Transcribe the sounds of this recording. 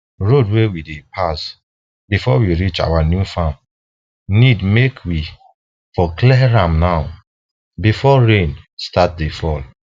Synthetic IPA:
ɹodwewidepʰas | bifɔwiɹit͡ʃa̰wanjufãm | nidmekʰwi | fɔklɛɹãmnaʊ | bifɔɹẽnstat̚defɔl

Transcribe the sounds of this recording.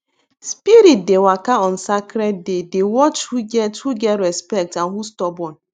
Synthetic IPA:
spiɾit̚dewakaɔn̩sakɾɛtdedewɔt͡ʃhuɡɛthuɡɛɾɛspɛk̚taɦustɔbɔn

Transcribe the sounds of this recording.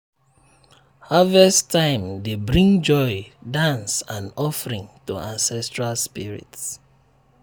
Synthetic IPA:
havɛstãɪ̃mdebɹĩŋd͡ʒɔɪdãnsãnɔfəɹĩŋtuʔãnsɛstɹalspiɹḭts

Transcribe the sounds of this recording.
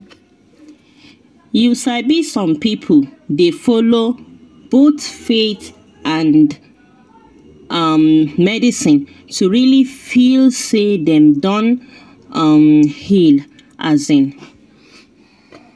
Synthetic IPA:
jusaɪbisɔ̃mpipʰəldefɔlo | b̥otfeθ | ʔãnd | ʔʌmmɛdisɪ̃n | tʰuɹilifilseðɛ̃mdɔ̃n | ʌmhil | ʔazɪ̃n

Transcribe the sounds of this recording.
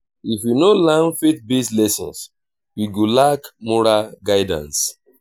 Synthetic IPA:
ifjunolãnfet̚beslɛsɔ̰̃ns | wiɡolakmɔɾaɡaɪdã̰ns

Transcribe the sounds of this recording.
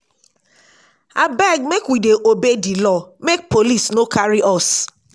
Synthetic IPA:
abaɡ̚mekwideʔobedilɔmek̚polisnokʰaɾiʔɔs

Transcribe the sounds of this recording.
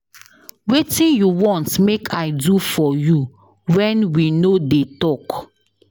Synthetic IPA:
wetĩnjuwɔ̃ntmekʰaɪdufɔju | wɛ̃nwinodetɔk

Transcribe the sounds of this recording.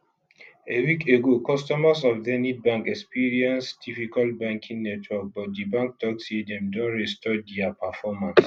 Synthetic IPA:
ewikʰeɡokɔstɔmasɔfdɛnid̚bãŋkɛkspiɹiɛ̃nsdifikalbãŋkʰĩŋnɛtʰwɔk̚bɔt̚dibãŋk̚dɔɡsidɛ̃mdɔ̃nɹɛstɔdɛapafɔmãns

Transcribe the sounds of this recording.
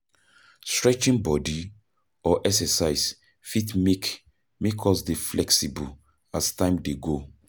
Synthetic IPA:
stɹɛt͡ʃĩnbɔdi | ɔʔɛksɛsaɪs | fitmek | mekʰɔsdeflɛksibṵ | astãɪ̃mdeɡo

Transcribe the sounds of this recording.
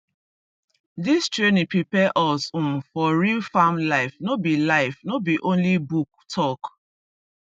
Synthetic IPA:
distɹenĩpipɛʔɔsũmfɔɹilfamlaɪfnobilaɪfnobiʔõnlibuk̚tʰɔk

